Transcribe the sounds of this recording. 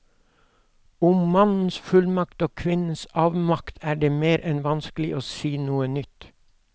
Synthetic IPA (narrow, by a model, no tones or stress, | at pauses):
ʊmmɑnn̩sfʉlmɑkt̪oːkʰʋɪnn̩sɑːʋmɑkt̪ʰæːɖeːmeːɾʔɛnʋɑnsklɪʔoːsiːnuːənʏt̪